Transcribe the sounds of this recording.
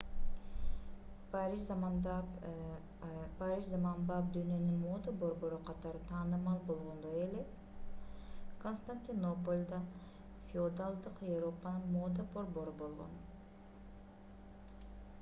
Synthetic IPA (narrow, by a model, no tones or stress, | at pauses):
pɾiʃ | paɾiʃzamɑnbɑpd̪yːnø̞nyŋmod̪abo̞ɾbo̞ɾuqʰɑt̪ɑɾɯt̪ʰɑːnɯmɑlˠbo̞lˠʁo̞nd̪ojele | kʰonst̪anʲt̪ʲinopolʲd̪ɑ | fʲɪod̪alˠd̪ɯqjevɾopanɯnmoːd̪abo̞ɾbo̞ɾubo̞lˠʁo̞̰n